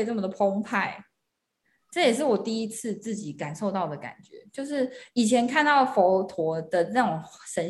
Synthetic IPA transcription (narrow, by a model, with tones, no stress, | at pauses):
ɪʈ͡ʂɤ˥˩mə˩d̪ə˩pʰo˥ŋpʰa˥˩ɪ | ʈ͡ʂɤ˥˩jɛ˨˩ʂ̬ɻ̩˥˩wɔ˨˩t̪i˥˩i˦˥t͡s̩ʰ˥˧t͡sɹ̩˥˩t͡ɕi˨˩˦ka˨˩nʂo˥˧ʊt̪ɑ˥˩ʊd̪ə˩ka̰˨˩nt͡ɕɥɛ̰˧˥˦t͡ɕjo˥˧ʊʂɻ̩˥˩i˨˩t͡ɕʰjɛ˧˦nkʰa˥˧nt̪ɑ˥˩ʊfo˧˥ʊt̪ʰwɔ˧˥d̪̥ə˧˨na˥˩˨ŋʂə˧˥n